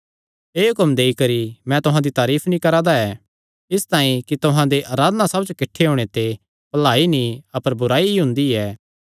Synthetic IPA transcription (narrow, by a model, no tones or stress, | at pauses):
eːɦʊkəmd̪eːikɐɾimɛ̃t̪ʊɦãd̪it̪aːɾiːpʰnĩkɐɾaːd̪aɛ | ɪst̪ãːĩkit̪ʊɦãd̪eʔaːɾaːd̪nasɐbd͡ʒkɪʈʰːeɦoːɽ̃et̪e | pɐlaːinĩɐpəɾbʊɾaːiɦʊ̃nd̪iɛː